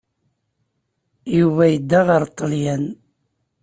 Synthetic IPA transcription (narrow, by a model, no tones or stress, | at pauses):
juvæjəd̪ːæʁəɾt̪ˤːəljæn